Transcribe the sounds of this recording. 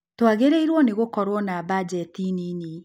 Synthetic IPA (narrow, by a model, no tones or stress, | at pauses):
twaɣeɾeiɾwɔneɣokɔɾwɔnabad͡ʑɛtinini